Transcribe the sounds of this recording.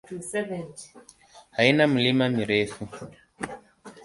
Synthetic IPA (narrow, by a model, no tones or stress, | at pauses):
sɛvɛnt | hainamulimamiɾɛfu